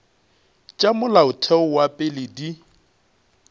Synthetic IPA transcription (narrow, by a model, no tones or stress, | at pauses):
t͡ʃʼamʊlaʊtʰɛʊwapʼɪlɪdi